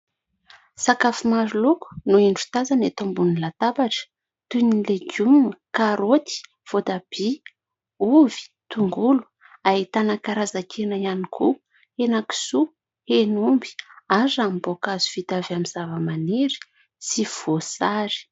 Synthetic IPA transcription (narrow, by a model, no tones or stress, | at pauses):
sakafumaɾuluku̥nuiɳɖ͡ʐu̥t̪azanet̪ombunilat̪apaʈ͡ʂə̥ | t̪unileɡumnəkaɾot̪i̥ | v̥ot̪ab̥i | uvi̥ | t̪uŋɡulu̥ | aɦit̪anəkaɾazakʰenəianikʰu | henaki̥su | henumbi̥azambokazu̥fit̪avamizavəmaneɾi̥ | siv̥osaɾi̥